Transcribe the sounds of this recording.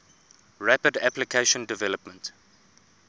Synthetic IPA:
ɹæpədæplikʰeʃə̃ndɪvɛləpmə̃nt

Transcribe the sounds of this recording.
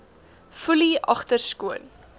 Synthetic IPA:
fuliʔɐ̰χtərskuən

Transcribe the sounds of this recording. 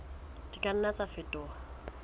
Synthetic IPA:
dikʼan̩nat͡sʼafɪtʼɔːa

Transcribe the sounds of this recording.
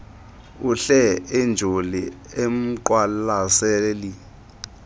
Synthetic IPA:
uɬɛɛnd͡ʒʱoliem̩ǃwalasɛli

